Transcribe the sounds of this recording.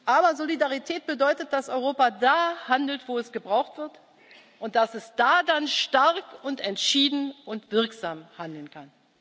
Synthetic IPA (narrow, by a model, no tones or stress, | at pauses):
ʔaːbɐzolidaʁitʰɛːt̚b̥ədɔʏtət̚d̥asɔʏʁoːpadaːhandl̩tv̥oːɛsɡ̥əbʁaʊxtv̥ɪɐt | ʔʊnt̚d̥asɛsd̥aːdanʃtaʁkʊntɛntʃiːdn̩ʊntv̥ɪɐkz̥aːmhandl̩nkʰan